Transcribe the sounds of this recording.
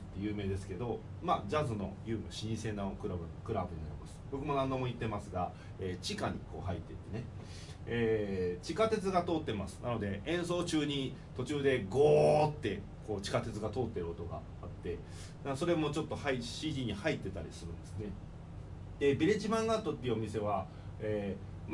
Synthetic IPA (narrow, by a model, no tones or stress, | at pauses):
t̪ːejɯ̟ːme̞ːd̪e̞sɨ̥ke̞d̪o̞ | mad͡ʑazɨno̞̰jɯ̟ːmʲɯɕiɲ̟ĩse̞nakɯɾkɯ̟ɾabɯ̟ɲ̟inaɾʲimasɨ̥bo̞kɯ̟mo̞nãnd̪o̞mo̞it̪ːe̞masɨɡa | e̞ːt͡ɕikaɲ̟ḭko̞̰ːɦait̪ːe̞t̪ːe̞ne̞ | eːt͡ɕikat̪e̞t͡sɨɡat̪o̞ːt̪ːe̞masɨ̥nano̞d̪e̞ʔẽ̞ɰ̃so̞ːt͡ɕɨːɲ̟i | t̪o̞t͡ɕɨːd̪e̞ɡoːt̪ːe̞ | ko̞ːt͡ɕi̥kat̪e̞t͡sɨɡat̪o̞ːt̪ːe̞ɾɯ̟ot̪o̞ɡa̰ːt̪ːe̞ | d̪aso̞ɾe̞mo̞t͡ɕo̞t̪ːo̞haiɕiːd̪ʲiːɲ̟ihait̪ːe̞t̪aɾʲḭsɨɾɯ̟̃nd̪e̞sɨne̞ | d̪̥ebiɾet͡ɕibãŋɡat̪ːot̪ːeiɯo̞mʲise̞β̞a | eː | m